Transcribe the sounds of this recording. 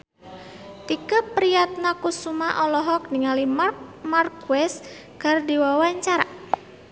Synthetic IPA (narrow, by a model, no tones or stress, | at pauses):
t̪ikapɾiat̪̚nakusumaʔɔlɔɦɔk̚niŋalimmarkwɛs | kardiwawaɲt͡ʃaɾa